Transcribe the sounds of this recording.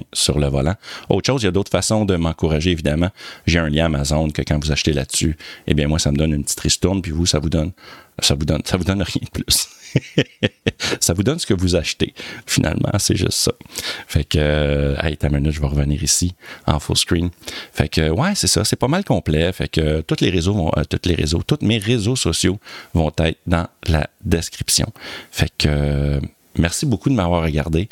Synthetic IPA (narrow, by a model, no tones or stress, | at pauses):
syʁləvɔlão̰ʊt̪ʃoʊzjad̪oʊt̪χfasɔ̃d̪əmɑ̃kuʁaʒeːvid̪amɑ̃ʒeɛ̃ljɛ̃amazɔ̃ʊnkʲəkɑ̃vuzaʃt̪elat̪syḛbjɛ̃mwasaməd̪ɔnynpət͡s̪i̥t̪ʁist̪ʊʁnpivusavud̪ʌnsavud̪ɔnsavud̪ɔnʁjɛ̃d̪ə̥pʰlʏs | savud̪ɔnsə̥kəvuzaʃt̪ḛfinʔa̰lmʔã̰sɛ̰ʒʏ̰st̪sɔfɛkøɛ̰jt̪ɛ̃mɛnʏt̪ʒəvɑʁəvənḭːʁisiɑ̰̃fo̰lskɹinfɛkʰøwɛsɛsɔsɛpʌmalkɔ̃ːplɛfɛ̰køt̪ʊt̪leʁezovɔ̰̃ʔə̰t̪ʊt̪leʁḛzot̪ʊt̪meʁezosɔsjovɔ̃t̪ɛɪt̪χd̪ɑ̃la̰d̪eskʲʁipsjɔ̰̃fɛkʰø | mɛʁsibokud̪əmavwɑːʁʁəɡʲa̰ʁd̪e